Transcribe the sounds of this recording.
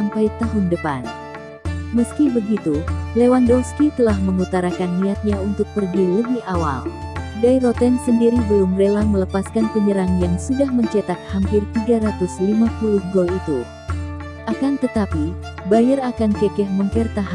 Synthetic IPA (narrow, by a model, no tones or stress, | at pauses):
ampajt̪aɦʊndəpan | məskibəɡit̪ulewandɔskit̪əlahməŋut̪aɾakanːiat̪̚ɲaunt̪ʊk̚pərɡiləbɪhawa̰ldajɾot̪ɛnsəndiɾibəlumrelamələpaskanpəɲəɾaŋjaŋsudahməɲt͡ʃat̪ak̪̚hampɪrt̪iɡaɾat̪ʊslimapulʊhɡɔlit̪u | ʔakant̪ət̪api | bajarakankɛkɛhməmpərt̪aɦ